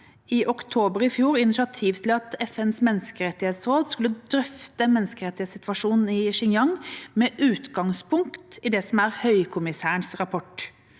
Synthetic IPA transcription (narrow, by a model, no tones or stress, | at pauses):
ɪʔɔkt̪ʰoːbəɾɪfjuːɾɪnɪʃɑt̪ʰiːʋt̪ʰɪlɑt̪ɛfɛnsmɛnːskəɾɛt̪ːɪheːt̪sɾoːd̪skʉlːəd̪ɾœft̪əmɛnskəɾɛt̪ːɪheːsɪt̪ʋɑʂuːnn̩ɪʃɪŋjɑŋmɛʔʉːt̪ɡɑŋspʊŋkt̪ɪd̪ɛsɔmæɾhœʏkʰʊmɪsæːəɳsɾɑpʰɔʈ